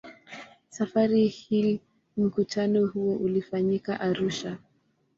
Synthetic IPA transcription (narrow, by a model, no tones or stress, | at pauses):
safaɾihi | m̩kutʰanɔhuɔʔulifaɲika̰ʔaɾuʃa